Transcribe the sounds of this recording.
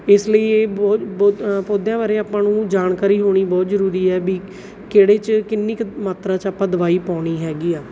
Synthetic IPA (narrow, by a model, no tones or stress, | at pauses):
ɪsləiːeːbɔːt̪opoːd̪jãːʋaːɾeːaːpãːnũːd͡ʒaːɳkaːɾiːɦoːɽ̃iːbɔːt̪zəɾuːɾiːɛːbiː | keːɽeːt͡ʃkɪnːiːmaːt̪ɾãːt͡ʃaːpãːd̪əʋaːiːpaːɽ̃iːɦɛːɡiːaː